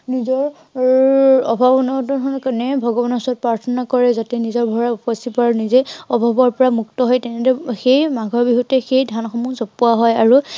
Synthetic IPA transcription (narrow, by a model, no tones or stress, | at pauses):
nizɔɹ | ɔbʱabɔnɔtɔkʰɔnkanɛbʱɔɡɔbɔnɔsɔt̚pɹaɹtʰɔnakɔɹɛzatɛnizɔɹbʱɔɹaupɔsipanizeɔbʱabɔɹpɔɹamuk̚tɔɦɔjtɛnɛdɛxejmaɡʱɔɹbiɦutɛxejdʱanxɔmuzɔpːuaɦɔjaɹu